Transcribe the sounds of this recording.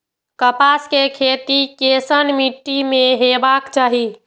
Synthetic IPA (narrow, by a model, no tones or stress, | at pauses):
kəpaskekʰet̪ikesənmiʈːimeɦebakt͡ʃaɦi